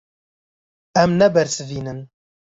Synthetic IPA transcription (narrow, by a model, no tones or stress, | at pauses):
ɛmnɛbɛɾsɨviːnɨn